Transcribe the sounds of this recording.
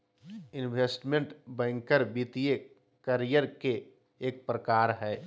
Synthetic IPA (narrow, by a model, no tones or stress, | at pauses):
ɪnweːsʈmẽɳʈbɛ̃ːŋkəɾbiːt̪ije | kəɾijəɾkeː | k̚pɾəkaːɾɦɛː